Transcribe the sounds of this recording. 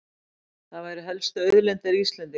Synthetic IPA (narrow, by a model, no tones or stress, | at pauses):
θaðvajɾɪɦɛlst̪ʏœːɥðlɛnt̪aɾiist̪lɛnt̪ɪ